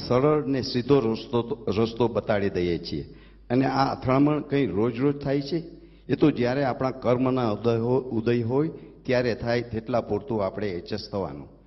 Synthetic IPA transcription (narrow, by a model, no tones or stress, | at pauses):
səɾəɭnesid̪ʱooɾəst̪obət̪aɭid̪əjet͡ʃʰiḛ | əneaə̰t̪ʰəɭməɳkə̃ĩɾod͡ʒɾod͡ʒt̪ʰajt͡ʃʰe | et̪od͡ʒjaɾeapɳ̃ãkəɾmənaud̪əjɦojt̪jaɾet̪ʰajt̪eʈlapoɾt̪ũapɽ̃eːt͡ʃəst̪ʰəʋa̰nṵ̃